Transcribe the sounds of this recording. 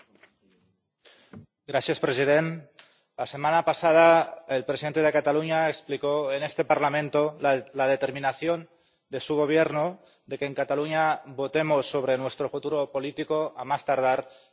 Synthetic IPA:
ɡɾaθjaspɾesið̞ent̪ | lase̞mãnapasað̞aelpɾesiðent̪e̞ðe̞kat̪aluɲaeksplikoene̞st̪e̞paɾlamẽ̞nt̪ollað̞e̞t̪eɾmĩnaθjo̞n | d̪e̞suɣ̞o̞β̞jeɾno | d̪e̞keːŋkat̪aluɲaβo̞t̪e̞mosːo̞β̞ɾenwe̞st̪ɾofut̪uɾopo̞lit̪ikoamast̪aɾð̞aɾ

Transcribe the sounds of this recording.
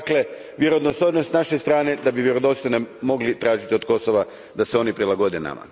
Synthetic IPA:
kle̞ | ʋjeɾod̪nosoɾnost̪naʃest̪ɾaːne̞d̪abiʋjeɾod̪ot̪st̪onemo̞ɡlit̪ɾaːʒit̪io̞d̪ko̞soʋa | d̪aseo̞nipɾilaɡo̞d̪ena̰ma̰

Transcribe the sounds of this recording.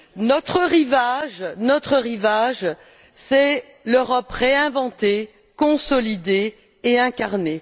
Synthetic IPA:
nɔt̪χəʁivaʒnɔt̪χəʁivaʒ | sɛ | løʁɔpʁeɛ̃vɑ̃t̪e | kɔ̃sɔlid̪eː | ɛ̃kaʁne

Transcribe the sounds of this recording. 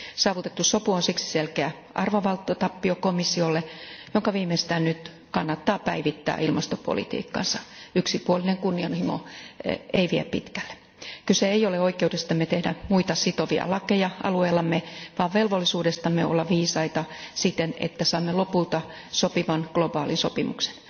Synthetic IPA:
sɑːʋut̪et̪ːussopuonsiksi̥selkeæ | ʔɑrʋoʋɑlt̪ːot̪ɑpːiokomisːiolːejoŋkɑʋiːmest̪æːnnyt̪ | kɑnːɑt̪ːɑːpæiʋit̪ːæ̰ːilmɑst̪opo̰lḭt̪ḭːkːɑ̰nsɑyksipuolineŋkunːiɑnhimo̰ | eiʋiæppḭt̪kæ̥lːe̥ | kyseeijoleoikeudest̪ɑmːet̪ehdæmuit̪ɑsit̪oʋiɑ̰lɑkejɑʔɑ̰lueːlːɑmːeʋɑːʋʋelʋolːisuːdest̪ɑmːeo̰lːɑʋiːsɑit̪ɑsit̪enḛt̪ːæsɑːmːelopult̪ɑ | sopiʋɑnɡ̥lobɑːlinsopimṵkse̥n

